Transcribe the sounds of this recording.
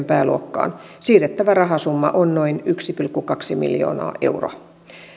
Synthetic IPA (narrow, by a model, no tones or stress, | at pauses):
mpæːlṵokːɑ̰ːn | siːret̪ːæʋærɑɦɑsumːɑ̰ʔonno̞inyksipilkːukɑksimḭljo̰ːnɑ̰ːʔe̞̰uro̰ɑ